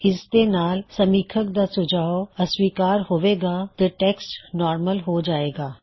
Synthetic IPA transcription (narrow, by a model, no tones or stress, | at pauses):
ɪsd̪enaːlsɐmiːkʰək̚d̪aːsʊd͡ʒʱaːoɐswiːkaːɾɦoːʋeːɡaːt̪eʈɛːksʈnɔːɾməlɦod͡ʒaːeːɡaː